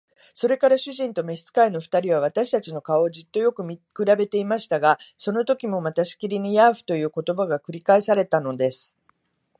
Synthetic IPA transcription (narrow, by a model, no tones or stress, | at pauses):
so̞ɾe̞kaɾaɕɨʑĩnt̪o̞me̞st͡sɨ̥kaino̞ɸɯ̟̥t̪aɾʲiβ̞aβ̞at̪aɕi̥t̪at͡ɕino̞kao̞d͡ʑit̪ːo̞jo̞kɯ̟mʲikɯ̟ɾabe̞t̪e̞imaɕi̥t̪aɡaso̞no̞t̪o̞kʲimo̞mat̪aɕi̥kʲiɾʲiɲ̟ijaːɸɯ̟̥t̪o̞jɯ̟ːko̞t̪o̞baɡakɯ̟ɾʲikaisaɾe̞t̪ano̞d̪e̞sɨ̥